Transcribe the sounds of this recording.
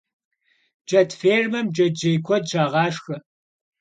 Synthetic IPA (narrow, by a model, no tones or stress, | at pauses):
d͡ʒɐtfeːrmɐmd͡ʒɐdd͡ʒejkʷʰɔdʒaːʁɑːʂxɐ